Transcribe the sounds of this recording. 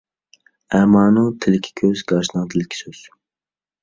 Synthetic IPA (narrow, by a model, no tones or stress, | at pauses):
æmɑːnut̪ʰɪlɪkʲʰi̥kʲʰøzɡɑːʃnɑd̪ʰɨlˠɪkʲʰːi̥søz̥